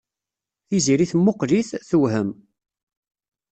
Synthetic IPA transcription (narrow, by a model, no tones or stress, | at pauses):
θiziɾiθmːoqɾiθθəwɦəm